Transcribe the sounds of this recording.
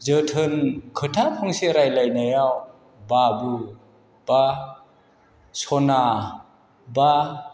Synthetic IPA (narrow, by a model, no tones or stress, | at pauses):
zətʰɯnkʰɯtʰapʰɔŋseɾajlajnajaw | babu | b̥a | sɔna | ba